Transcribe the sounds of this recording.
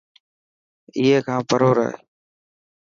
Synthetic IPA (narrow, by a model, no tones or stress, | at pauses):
ɪɦeːkʰãːpəɾoːɾə̰ɦḛː